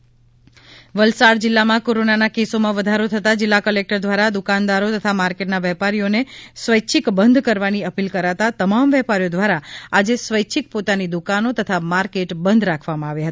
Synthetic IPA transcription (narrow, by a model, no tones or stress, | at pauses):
ʋəlsaɽd͡ʒɪlːamãkoɾonanakesomãʋəd̪ʱaɾot̪ʰət̪ad͡ʒɪlːakəlek̚ʈəɾd̪ʋaɾad̪ukand̪aɾot̪ət̪ʰamaɾkeʈnaʋɛpaɾijonesʋəjt͡ʃʰikbənd̪ʱkəɾʋaniəpilkəɾat̪at̪əmamʋɛpaɾijod̪ʋaɾaad͡ʒesʋəjt͡ʃʰik̚pot̪anid̪ukanot̪ət̪ʰamaɾkeʈbənd̪ʱɾakʰʋamãaʋjaɦət̪ḁ